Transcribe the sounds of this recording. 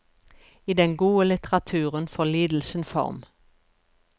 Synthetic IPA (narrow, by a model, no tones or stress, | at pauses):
iːd̪ɛŋɡuːəlɪt̪əʁɑt̪ʰʉːʁənfɔliːd̪l̩sən̩fɔ̰ʁm